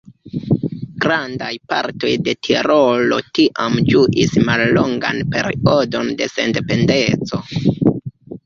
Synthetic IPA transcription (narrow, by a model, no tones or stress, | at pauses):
ɡ̥ɾandajpa̰ɾto̞̰jde̞tʰiɾo̞lo̞̰tiʔamd͡ʒuʔismalːoŋɡa̰npe̞ɾio̞do̞nde̞se̞̰nde̞pe̞nde̞t͡so̞